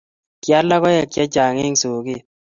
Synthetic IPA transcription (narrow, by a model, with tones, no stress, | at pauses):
kja˦lːa˦kɔ˦ja˨kja˦d͡ʒa˨ŋe˦ŋso˨ɡɪ˦˨